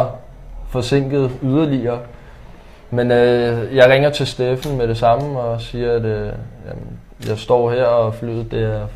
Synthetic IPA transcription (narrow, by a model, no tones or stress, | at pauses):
fɒ̽se̝ŋ̰ɡ̥ð̞̩ˠyð̞ˠɐliɐː | menøjɑ̈ɪʁɛŋ̰ɐt͡sʰe̝lsd̥efn̩meɾe̝sɑ̈məɒ̽siːɐæd̥jæmn | jɑ̈ɪsd̥ɒ̰ːɦeɐ̰ɒfly̰ð̩ˠd̥æɐ̰